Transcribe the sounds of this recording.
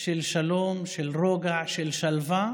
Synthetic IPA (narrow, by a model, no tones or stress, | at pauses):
ʃelʃalomʃelʁoɡaʕʃelʃalva